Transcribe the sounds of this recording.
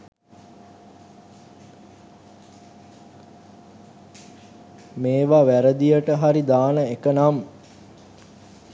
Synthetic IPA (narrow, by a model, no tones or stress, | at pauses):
meːʋaʋæɾəd̪ijəʈəɦaɾid̪aːnəekənam